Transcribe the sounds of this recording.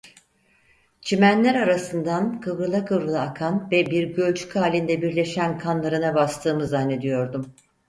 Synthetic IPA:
t͡ʃʰimænlʲæɾaɾasɯnd̪ankʰɯvɾɯlˠakʰɯvɾɯlˠaːkʰanvɛbiɾɟø̞lʲt͡ʃʰy̥cʰaːlʲind̪ɛbiɾlʲe̞ʃænkʰanlˠaɾɯnabast̪ʰɯːmɯzanːe̞d̪ijo̞ɾd̪um

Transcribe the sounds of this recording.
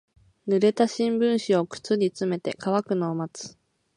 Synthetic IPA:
nɯ̟ɾe̞t̪aɕĩmbɯ̟̃ɰ̃ɕio̞kɯ̟̥t͡sɨɾʲit͡sɨme̞t̪e̞̰kaβakɯ̟no̞ːmat͡sɨ̥

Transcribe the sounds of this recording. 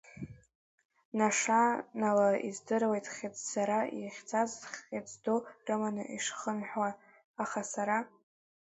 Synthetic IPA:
naʂanalaḭzdɨrwejtʼχʲat͡sz̥aɾaiχʲt͡sʰazχet͡sdorɨmanɨ̰ʔiʂχənħʷwaː | χasaɾa

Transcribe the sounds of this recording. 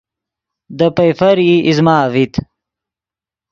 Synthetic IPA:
d̪əpɐjfɐɾiʔizmaːvit̪

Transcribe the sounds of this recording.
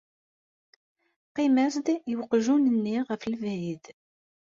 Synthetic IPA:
qimæsd̪jəwqʒunənːiʁəfləvæjið

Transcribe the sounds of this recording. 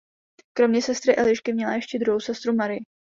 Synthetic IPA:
kɾo̞mɲɛsɛst̪ɾɪʔɛlɪʃkɪmɲɛlajɛʃcɛd̪ɾuɦowsɛst̪ɾumaɾɪjɪ

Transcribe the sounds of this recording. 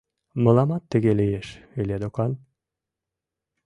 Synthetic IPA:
mə̆lˠɑmɑt̪ːə̆ɣelijeʃylʲed̪okɑn

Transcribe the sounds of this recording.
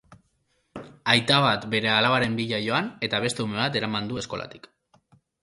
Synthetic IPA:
ajt̪aβ̞at̪be̞ɾe̞alaβaɾe̞mbiʎajo̞ane̞t̪aβ̞e̞st̪e̞ume̞βat̪e̞ɾamand̪ue̞sko̞la̰t̪i̥k

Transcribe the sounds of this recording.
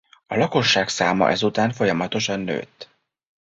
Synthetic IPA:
ɒlɒko̞ʃːaːksaːmɒ̰ʔɛzut̪aːɱfo̞jɒmɒt̪o̞ʃɒnːø̰ːt̪ː

